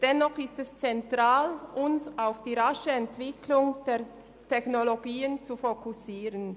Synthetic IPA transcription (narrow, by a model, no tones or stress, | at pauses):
d̥ɛnːɔχɪstɛst͡sɛntʁ̥aːlʔʊnsaʊfd̥iːʁaʃəɛntv̥ɪkʰlʊŋd̥eːɐ | tʰɛçnoloɡiːənt͡sufokʰusiːʁən